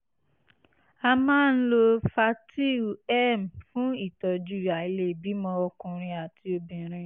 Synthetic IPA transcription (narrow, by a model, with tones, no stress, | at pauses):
a˧mãː˦n̩˦lo˧fa˧ti˦˨ɛ˦m̩˨fũ˦i˦˨tɔ˨d͡ʒu˨˦ɾa˨i˨˧le˦˨bi˨˦mɔ̃˧ɔ˧kũ˧ɾ̃ĩ˧a˨ti˧o˧bĩ˨ɾ̃ĩ˧